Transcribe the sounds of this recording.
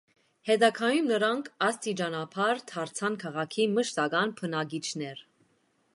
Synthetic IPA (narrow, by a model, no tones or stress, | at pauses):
hɛd̪ɑkʰɑjumnəɾɑŋkʰɑst̪id͡ʒɑnɑpʰɑɾt̪ʰɑɾt͡sʰɑnkʰɑʁɑkʰiməʃt̪ɑɡɑnpʰənɑɡit͡ʃʰnɛɾ